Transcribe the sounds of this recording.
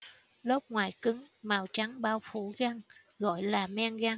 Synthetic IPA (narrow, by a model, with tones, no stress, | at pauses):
lo˦˥p̚ŋwaː˨˩jkɨ˨˦ŋmaː˨˩wt͡ɕa˨˦ŋɓaː˧wfṵ˧˩˦ɣa˧ŋ | ɣɔ̰˧˨jlaː˨˩mɛ˧nɣa˧ŋ